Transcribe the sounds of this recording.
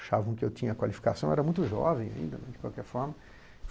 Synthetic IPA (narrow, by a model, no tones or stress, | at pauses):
ʃavɐ̃w̃kɪewtĩɲɐːkwalifi̥kasɐ̃w̃ɛɾɐmũj̃t̪ʊʒɔ̰vẽj̃a̰ḭ̃nd̪ɐnɛd͡ʒɪkwawkɛɾfɔɾmɐ